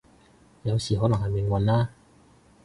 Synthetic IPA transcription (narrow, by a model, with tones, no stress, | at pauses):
jɐ˨˧wsiː˨ɦɔː˨˥lɐ˨ŋhɐ˨jmɪ˨˩ŋwɐ˨nlaː˥